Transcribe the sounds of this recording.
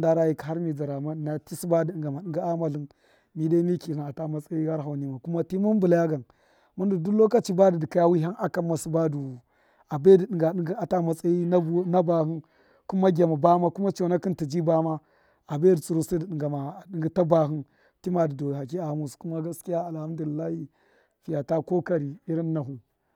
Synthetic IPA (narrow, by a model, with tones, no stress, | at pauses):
nda˦ɾa˦ji˨ka˦ɾmi˨d͡za˨ɾa˨ma˦dn˦a˦ti˦si˦ba˦di˨ɗi˨ŋɡa˨ma˨ɗi˨ŋɡa˦a˦ma˨ɬi˦n | mi˨da˦mi˦ki˨a˨ta˦ma˨t͡sa˦i˦ha˦ɾɦa˨wni˦ma˨ku˦ma˦ti˦mu˦n˦bu˨la˦ja˦ɡa˨n | ma˦ndu˨du˦lo˦ka˦t͡ʃi˦ba˦di˨di˨ka˦ja˦wi˦ɦa˦na˦ka˦mːa˨su˦ba˦du˨ | a˨be˦di˨ɗi˨ɡa˨ɗi˦ŋɡi˦a˨ta˦ma˨t͡sʼa˦i˦na˦na˦ba˨hɨ˦n | ku˦ma˦ɡʲa˨ma˨ba˦ma˦ku˦ma˦t͡ʃo˨˦na˦ki˦nti˨d͡ʒi˦ba˦ma˦ | a˨be˦di˨t͡sʼu˨ɾu˦si˦di˨ɗi˨ŋɡa˨ma˨di˦ŋɡi˦ta˦ba˨ɦi˦n | ti˦ma˨di˨do˨ɦa˨k̬i˦a˨mu˨sku˦ma˦ɡa˦ski˦ja˦a˨lha˦mdu˨li˨lːa˦hi˦ | fi˨ja˨ta˦ko˦ka˨ɾi˨i˦ɾi˦nːa˨ɦu˨